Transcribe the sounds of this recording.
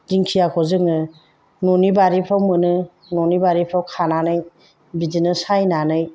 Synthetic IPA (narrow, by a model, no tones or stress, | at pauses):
d̥iŋkʰijakʰɔzɯŋɯ | nɔnibaɾipʰɾawmɯnɯ | nɔnibaɾipʰɾawkʰananɯj | bidinɯsajnanɯj